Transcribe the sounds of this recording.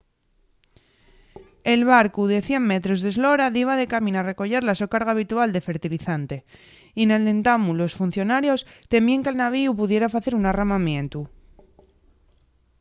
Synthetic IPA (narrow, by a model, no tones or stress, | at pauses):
e̞lβaɾkuðe̞θje̞ŋme̞t̪ɾo̞zðezlo̞ɾaðiβaðe̞kamĩnare̞ko̞ʝe̞ɾlaso̞kaɾɣaːβ̞it̪uald̪efe̞ɾt̪iliθant̪e̞ | ine̞ld̪e̞nt̪amulo̞sfun̟θjo̞naɾjo̞st̪e̞mieŋke̞lnaβ̞iup̬uð̞je̞ɾafaθe̞ɾunaramamjẽ̞nt̪u